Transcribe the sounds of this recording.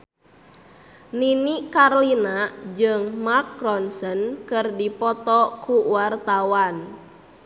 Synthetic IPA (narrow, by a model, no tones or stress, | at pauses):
ninikarlinad͡ʒɨŋmak̚ɾɔnsənkɨrdipɔt̪ɔkuwart̪awan